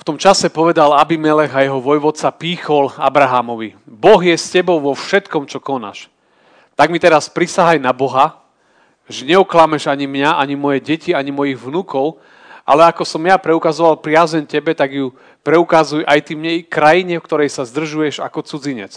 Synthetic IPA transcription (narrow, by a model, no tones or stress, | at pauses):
ft̪ɔmt͡ʃasɛpɔʋɛd̪alabimɛlɛɣajɛɦɔʋɔjʋɔt̪t͡sapiːxɔlabɾaɦamɔʋibɔɣjɛscɛbɔʊʋɔfʃɛt̪kɔmt͡ʃɔkɔna̰ʃ | t̪aɡmit̪ɛɾaspɾisaɦajnabɔɦa | ʒɛɲɛɔklamɛʒaɲimɲaʔaɲimɔjɛɟɛciaɲimɔjiɣʋnukɔʊ | ʔa̰lɛakɔsɔmjapɾɛukazɔʋalpɾɪazɛncɛbɛt̪aɡju | pɾɛukazujʔajt̪imɲɛjkɾajiɲɛfkt̪ɔɾɛjsazd̪r̩ʒujɛʒa̰kɔt͡sud͡ziɲɛ̰t͡s